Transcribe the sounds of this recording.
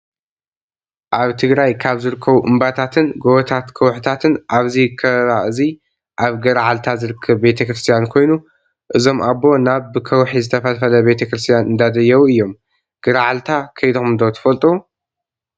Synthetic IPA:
ʔaβt̪ʰɨɡɾajkʰaβzɨɾɨkʰːɐβuʔɨmbat̪ʰat̪ʰɨnɡoβɐt̪ʰat̪kʰɐwħt̪ʰat̪ʰɨnʔaβzikʰɐɾaʔɨzi | ʔaβɡɐɾaʕalt̪ʰazɨɾɨkʰːɐβbe̞t̪ʰɐkɾɨst̪ʰijankʰo̞jnu | ʔɨzo̞mʔabːo̞naβbɨkʰɐwħizɨt̪ʰɐfɐlfɐlɐbe̞t̪ʰɐkɾɨst̪ʰijanʔɨnd̪ad̪ɐjːɐwuɨjːo̞m | ɡ̥ɐɾaʕalt̪ʰakʰɐjd̪omɨnd̪ot̪ʰɐ̥fɐlt̪ʼu

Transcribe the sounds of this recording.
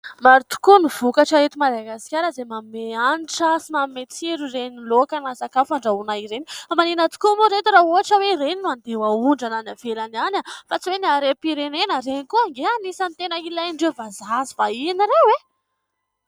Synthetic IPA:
maɾit̪u̥kunuv̥ukaʈ͡ʂaet̪imad̪aɡasi̥kʲaɾəzemameaniʈ͡ʂasimammːet͡siɾurenilokanasakafaɳɖ͡ʐaunaiɾeniamanenat̪u̥kumuɾet̪iɾaɦoɦaʈ͡ʂəweiɾeninuand̪ewauɳɖ͡ʐananavelananafat͡siweniaɾepiɾenenəɾenikuaŋɡeanisanit̪enəilaɳɖ͡ʐevazazivainiɾewe

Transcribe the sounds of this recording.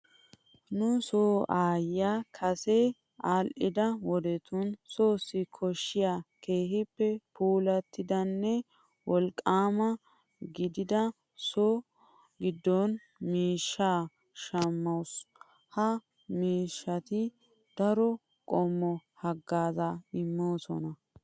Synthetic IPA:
nʊsoːaːjːakʰɐse | aːlʔɪd̪ɐwɔd̪ɛt̪ʊnsoːsːɪkʰɔʃːɪjaːke̞ːhɪpːɛpʰuːlɐt̪ːɪd̪ɐnːɛ | wɔlkʼːaːmɐ | ɡɪd̪ɪd̪ɐ | so | ɡɪd̪ːɔn | miːʃːaː | ʃɐmːɐws | hɐ | miːʃːɐt̪ɪ | d̪̥ɐɾɔ | kʼɔmːɔhɐɡːaːzaɪmːoːsɔ̰nɐ

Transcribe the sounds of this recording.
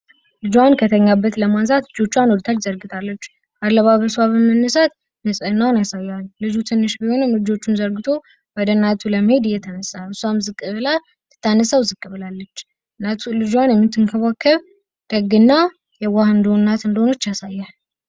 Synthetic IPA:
lɨd͡ʒankʰət̪ʰəɲːabːət̪ləmanzat̪lɨd͡ʒo̞t͡ʃːwanwod̪t̪ʰat͡ʃːzəɾɡɨt̪ʰalːət͡ʃː | alːəβaβəswaβəmənːəsat̪ | nəsʼnːawnjasajːallɨd͡ʒut̪ʰɨnːɨʃbiho̞nɨmlɨd͡ʒo̞t͡ʃːunzəɾɡɨt̪ʰo̞ | wɔd̪ənːat̪ʰuləməhe̞d̪ɨjːɛt̪ʰənəsːaɨsːuamzɨkʼːɨβɨla | t̪ɨ̥t̪ːanːəsəwzɨkʼːɨβɨlalːət͡ʃː | nat̪ʰulɨd͡ʒanjɛmːɨt̪ːɨŋkʰəβakʰːəβ | d̪̥əɡːɨnːa | jɛwahɨnd̪onːat̪ɨnd̪əhono̞t͡ʃːjasajːal

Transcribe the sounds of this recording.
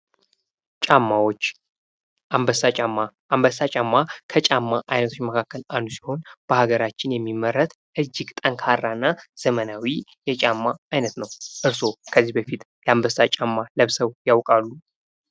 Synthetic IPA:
t͡ʃʼamːawot͡ʃː | ʔambəsaamːaːmbəsat͡ʃʼamːakʰət͡ʃʼamːaʔajnət̪ʰo̞t͡ʃːməkʰakːəlandusi̥ho̞nb̥əhaɡəɾat͡ʃːɪnjɛmːimːəɾːət̪ | ʔɨd͡ʒːɪɡt̪ʼəŋkʰarːanːaz̥əmənawijɛt͡ʃʼamːaːjnət̪nəwʔɨɾso̞kʰəzːihbəfit̪ | jɛambəsat͡ʃʼamːaləβsəwjawkʼalːu

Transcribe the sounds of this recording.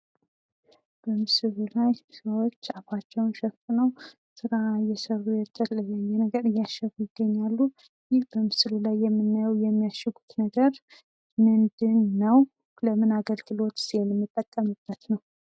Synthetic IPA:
b̥əmɨsɨlulajsəwo̞t͡ʃːaβat͡ʃːɛwnʃɛfnəw | sɨɾajɛsəβujɛt̪ʰʼːəlɨləjːɛnəɡəɾɨjːaʃɛfujɪɡ̥ːəɲːalːu | jɪhbəmɨsɨlulajːɛmːɨnːajɛwjɛmːijaʃɛɡu̥t̪nəɡəɾ | mɨnd̪ɨnːəw | ləmɨnaɡəlɡɨlo̞t̪senɛmːɨt̪ʼːət̪ʼːəmɨb̥ːət̪nəw

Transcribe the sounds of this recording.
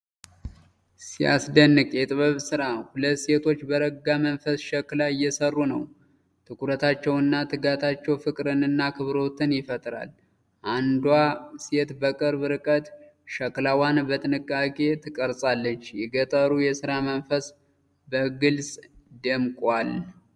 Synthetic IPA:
sia̰sd̪ənːɨkʼjɛt̪ʼɨβɨβsɨɾahulət̪ːse̞t̪ʰo̞t͡ʃːbəɾəɡamənfəsʃəklajːɛsərːunə̰w | t̪ʰɨkʰuɾət̪ʰat͡ʃːɛwɨnːat̪ʰɨɡat̪ʰat͡ʃːɛwfɨkʼɾɨnɨnːakʰɨβɾo̞t̪ʰɨnjɪfət̪ʼɾa̰l | ʔand̪wase̞t̪bəkʼɨɾbɨɾɨkʼət̪ʃəklawanbət̪ʼɨnɨkʼːakʼe̞t̪ʰɨkʼəɾsʼalːət͡ʃːjɛɡət̪ʼəɾujɛsɨɾamənfəs | bəɡɨlsʼd̪əmkʼal

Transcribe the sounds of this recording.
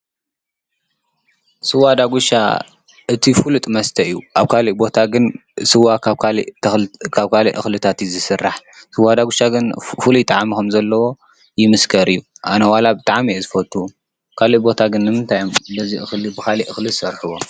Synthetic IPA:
sɨwad̪aɡuʃa̰ | ʔɨt̪ʰifɨlut̪ʼɨmɐst̪ʰɐɨjːuʔaβkʰaliʔbo̞t̪ʰaɡɨnsɨwaa | kʰaβkʰalḭʔɨ̰xlɨt̪ʰat̪izɨsɨrːaħsɨwad̪aɡʷuʃaɡɨnfɨlujt̪ʼaʕmikɐmzɐlːɐwo̞ | jɪmɨskʰɐɾɨjːuʔanɐwalabɨt̪ʼaʕmijezɨfɐt̪ʰːu | kʰaliʔbo̞t̪ʰaɡɨnːɨmɨnt̪ʰajombɐziʔɨxlibɨkʰaliʔɨxlɨzsɐɾħɨβo

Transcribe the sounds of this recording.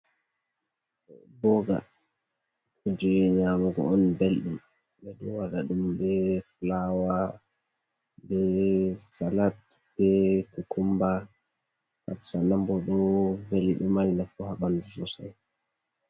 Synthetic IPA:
bɔɡa̰ | kud͡ʒɛɲamuɡɔ̰ɔnbelɗum | bɛɗuwaɗaɗumbɛflawa | bɛsalat̚ | b̥ɛkukʰumba | ha̰tsanambɔɗɔveliɗumaninafuhaɓandusɔsa̰j

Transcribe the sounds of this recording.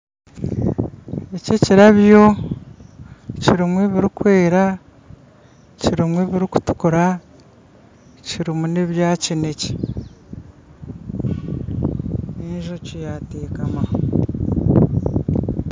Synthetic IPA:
ececiɾaβjo̞ | ciɾimweβiɾikwe̞ːɾa | ciɾimweβiɾiku̥tu̥kuɾa | ciɾimuneβjaːcine̞ce̥ | eɲʒocijateːkamaho

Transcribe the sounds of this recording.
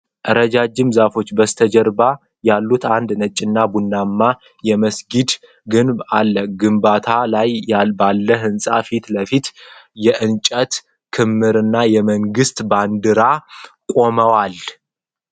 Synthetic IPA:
ʔəɾəd͡ʒad͡ʒːɪmzafo̞t͡ʃːbəst̪ʰəd͡ʒɛɾba | jalːut̪and̪nət͡ʃʼːɪnːabunːamːa | jɛməsɡid̪ | ɡɨnbalːəɡɨmbat̪ʰalajabalːəɦɨnsʼafit̪ləfit̪jɛʔɨnt͡ʃʼət̪ | kʰɨmːɨɾɨnːajɛməŋɡɨst̪band̪ɨɾakʼo̞məwal

